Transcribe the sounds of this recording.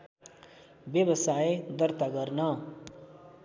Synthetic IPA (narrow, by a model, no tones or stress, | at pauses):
bjʌbʌsajed̪ʌrt̪aɡʌrnʌ